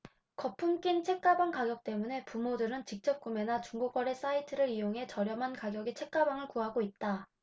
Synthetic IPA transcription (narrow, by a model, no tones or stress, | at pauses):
kʌpʰumk͈int͡ɕʰe̞k̚k͈abaŋkaɡjʌk̚t͈e̞mune̞pumodɯɾɯnt͡ɕik̚t͡ɕ͈ʌp̚k͈ume̞nat͡ɕuŋɡokwaɾe̞s͈aitʰɯɾɯɾijoŋɦe̞t͡ɕʌɾjʌmɦankaɡjʌɡet͡ɕʰe̞k̚k͈abaŋɯɭkuɦaɡoit̚t͈a